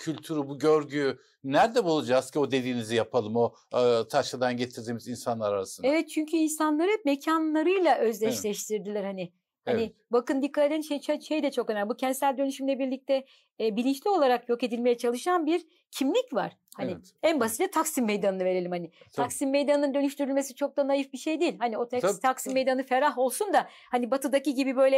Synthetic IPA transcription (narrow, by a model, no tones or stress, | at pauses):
cʰylʲt̪ʰyɾybuɟøɾɟyy | næɾd̪ɛbulˠud͡ʒazcʰio̞d̪e̞d̪iːnizijapʰalˠɯmo̞ | t̪ʰaʃlad̪anɟe̞t̪ʰiɾd̪imizinsanlˠaɾaɾasɯnevɛt̪̚t͡ʃʰyɲcʰyinsanlˠaɾɯme̞cʰanlˠaɾɯjlˠaʔø̞zlʲɛʃlʲɛʃt̪ʰiɾd̪ilʲæɾhanɪ | hanɪbakɯnd̪ikʰːat̪et̪ænʃejt͡ʃaʃejd̪ɛt͡ʃʰo̞kø̞næmlʲbucʰɛnd̪sælʲd̪ø̞nyʃymlʲɛbiɾlʲic̚t̪ʰɛ | bilʲint͡ʃlʲio̞lˠaɾakjo̞ke̞d̪ilʲmejɛt͡ʃʰalˠɯʃanbiɾ | cʰimlʲicva̰ɾ̥ | hani | ænbasit̪at̪ʰaksimːe̞jd̪anɯnɯve̞ɾe̞lʲimhanɪt̪ʰaksimːe̞jd̪anɯnɯnd̪ø̞nyʃt̪ʰyɾylʲme̞sit͡ʃʰo̞k̚t̪anajifbiʃe̞jd̪iːlʲhanio̞t̪ʰat̪ʰaksimːejd̪anɯfe̞ɾaɦo̞lˠsund̪a | hanibat̪ʰɯd̪aciɟibibø̞jlʲɛ